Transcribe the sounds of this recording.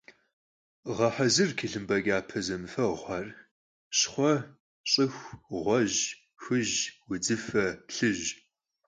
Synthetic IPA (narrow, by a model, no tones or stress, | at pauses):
ʁɐħazɨrkʰiɬɨmbɐɡʲaːpʰɐzɐmfɐʁʷɑr | ɕχʷɔ | ɕʼɨxʷʁʷɔʑ | xɨʑwʊd͡zɨfɐɬɨʒ